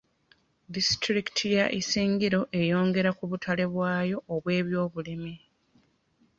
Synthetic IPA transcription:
distɾiki̥tʰijaʔisiːŋɡiɾo̞ʔe̞jo̞ːŋɡe̞ɾakuβutʰale̞βwaːjo̞ʔːβwe̞ːβjo̞ːβulimi

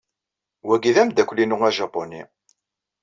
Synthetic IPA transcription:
wæɡiðæmd̪ækʷlinuŋæʒɑponḭ

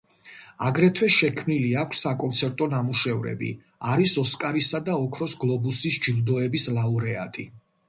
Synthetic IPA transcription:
aɡɾɛt̪ʰwɛʃɛkʰmniliakʷʰsːakʼɔnt̪sʰɛɾt̪ʼɔnamuʃɛvɾɛ̰bḭ | aɾisɔskʼaɾisad̪aɔkʰɾɔsɡlˠɔbusisd͡ʒild̪ɔɛbislˠauɾɛa̰t̪ʼḭ

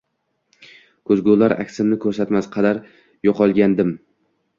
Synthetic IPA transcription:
kʰɵzɡʲolaɾa̰kʲsɪmnɪkʰɵɾsat̪masqʰɑd̪aɾ | joqɒlˠɡʲand̪ɪm

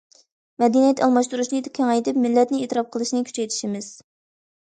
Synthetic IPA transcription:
mɛd̪inijɛt̪ʰɑlˠmɑʃt̪uɾuʃnɨd̪ɪkʲʰɛŋɛjt̪ɪpmɪlːɛt̪nɪet̪ɨɾɑp̚qʰəlˠɨʃnɨkʲʰy̥t͡ʃʰɛjt̪ʰɪ̥ʃimɪz̥

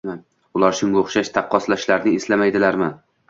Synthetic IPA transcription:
man | ʊlaɾʃʊŋɡʲaʊχʃaʃt̪ʰɑqːɒslaʃlaɾnɪeslamajd̪ɪlaɾman

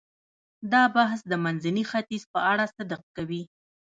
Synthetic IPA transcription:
d̪ɑbaɦsd̪əmanzanixat̪izpəaɽasad̪əq̚kawi

